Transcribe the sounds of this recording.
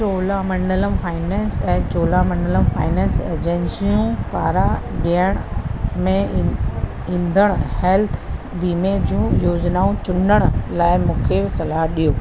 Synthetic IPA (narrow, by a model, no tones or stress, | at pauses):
t͡ɕoːlamɐ̃ɳɖələmfaːɪnɛːnsɛ̃ːt͡ɕoːlamɐ̃ɳɖələmfa̰ːɪnɛ̃ːnsḛd͡ʑẽnsijũpaːɾaɗiəɽ̃mẽ | ĩːnd̪ʱəɽ̃ʊhɛlt̪ʰ | biːmed͡ʑũːjoːd͡ʑnaːũt͡ɕʊnəɽ̃ʊlaːɪmũːkʰesɐlaːɦɗijoː